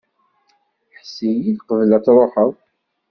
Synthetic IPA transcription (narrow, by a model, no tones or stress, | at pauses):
ħsijiðqəvlæt͡sɾˤoħəw